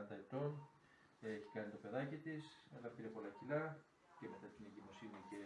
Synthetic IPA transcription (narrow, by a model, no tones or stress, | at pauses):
ɐnt̪ɐit̪o̞n | eçi̥kɐnit̪o̞pe̞ðɐcit̪iseðɐpiɾepo̞lɐcilɐ | ce̞me̞t̪ɐt̪ine̞ɲɟimo̞sinice̞